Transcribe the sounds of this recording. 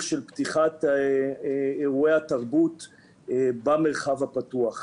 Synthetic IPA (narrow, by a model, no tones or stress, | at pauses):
χʃelpt̪iχat̪ | eʁuehat̪aʁbut̪ | bameʁχavhapat̪uaχ